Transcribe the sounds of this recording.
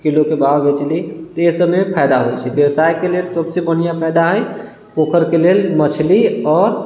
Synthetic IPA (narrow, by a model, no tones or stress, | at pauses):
kilokebabbet͡ʃlit̪ɔesəbmepʰɛjd̪aɦojt͡ʃʰɛbebsajkelelsəbsebənijapʰəjd̪aɦəj | pokʰəɾkelelmət͡ʃʰliɔːɾ